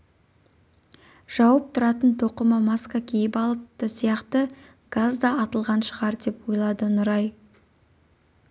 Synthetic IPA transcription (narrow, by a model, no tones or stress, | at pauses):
ʒ̥ɑwəp̚t̪ʰʊɾɑt̪ənt̪ʰoqəməmaskakʲʰejɪpɑlˠəp̚t̪əsijɑqt̪ə | ɡ̥azd̪ɑːt̪əlˠʁɑnʃəʁɑɾd̪e̞pwojlˠɑd̪ənʊɾɑj